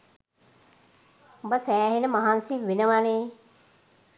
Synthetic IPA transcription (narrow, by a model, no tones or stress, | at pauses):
bɐsɛːɦinəmɐɦaːnsiʋɪnəʋaːneː